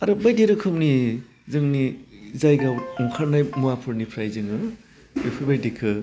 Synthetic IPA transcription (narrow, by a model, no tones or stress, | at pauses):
aɾɯbajdeɾɯkʰɯmni | zɯŋnizajɡauŋkʰaɾnajmuapʰɯɾnipʰɾajzɯŋɯ | epʰɯbajdekʰɯ